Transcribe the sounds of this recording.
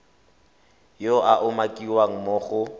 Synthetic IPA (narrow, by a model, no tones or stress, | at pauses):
joʔaʔʊmakʼiwaŋ̩mʊːχʊ